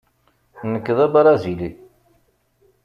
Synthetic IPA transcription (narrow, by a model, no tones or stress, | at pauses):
nəkːðˤæbɾˤɑzili